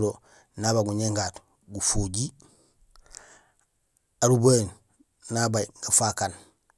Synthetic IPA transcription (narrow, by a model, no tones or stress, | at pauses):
ɾo | naβaɡuɲeŋɡaːt | ɡufoɟi | aɾuboen | nabajɡafakan